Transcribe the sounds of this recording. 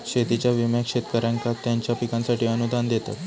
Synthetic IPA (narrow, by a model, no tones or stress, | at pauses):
ɕet̪it͡ɕjaʋimjakʂet̪kəɾãŋkat̪jaɲt͡ɕjapikãnsaʈiːənud̪ʱand̪et̪a̰t̪